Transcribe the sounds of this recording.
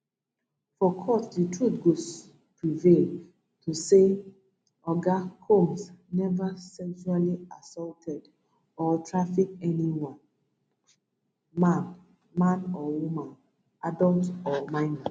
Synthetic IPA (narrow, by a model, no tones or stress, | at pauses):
fɔkʰɔsditʰɹutɡo | pɹivel | tʰuse | ɔɡakʰõmsnɛvasɛkʃualiasɔltʰɛd | ɔtʰɹafikɛniwãn | mãn | mãnɔwumãn | ʔadɔltɔmãɪ̃na